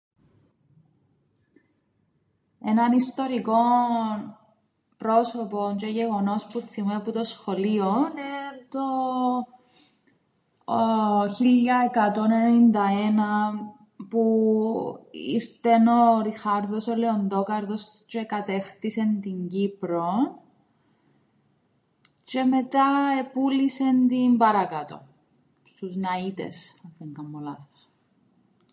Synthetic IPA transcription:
enɐnist̪o̞ɾiko̞n | pɾo̞sopo̞nt͡ʃeʝeɣo̞no̞spuθimeput̪o̞sxo̞lionet̪o | çilːɐekɐt̪o̞nenennind̪ɐenɐ | pu | ḭɾt̪enoɾixɐɾðo̞soleond̪o̞kɐɾðost͡ʃekɐt̪e̞xt̪ise̞nt̪iɲɟipɾon | t͡ʃe̞met̪ɐepulise̞nt̪imbɐɾɐkɐt̪o̞̰ | st̪uznɐit̪ḛsɐeŋkɐmːolɐθo̥s

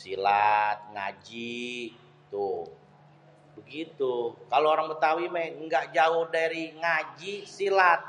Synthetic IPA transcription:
silat̪̚ŋa̰d͡ʒi | t̪u | bəɡit̪ukaloːɾaŋbət̪awimaŋɡaʔd͡ʒaʊhdaɾiŋad͡ʒisilat̪̚

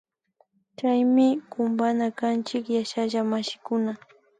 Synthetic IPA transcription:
t͡ʃajmɪkʊmbanakant͡ʃɪkjaʃaʒamaʃɪ̥kʊna

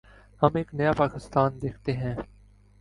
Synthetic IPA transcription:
hɐmeːknɐjapaːkɪst̪aːnd̪eːkʰt̪eɦɛ̃ː

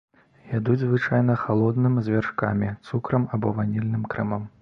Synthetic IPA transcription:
jad̪ud͡zʲzvɨt͡ʂajn̪ɐxalˠɔd̪nɨmzʲvʲarʂkamʲit̪sukɾɐmabɔvanʲilʲnɨmkɾɛmɐm

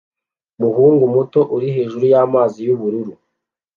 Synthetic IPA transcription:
muɦuːŋɡumuto̞ʔuɾiɦe̞ːʒuɾujaːmaːzijuβuɾuɾu

